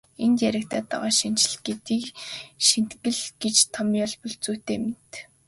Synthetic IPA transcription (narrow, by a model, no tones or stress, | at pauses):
ent̪jæɾʲɪ̆kt̪ʰæːt̪a̰ʁɔːʃin̥t͡ɕɪ̆ɮɡet̪iːkʃin̥t̪ɡɘ̆ɮɡ̥et͡ɕt̪ʰɔmiɔɮpɵɮt͡suːt̪eːment̪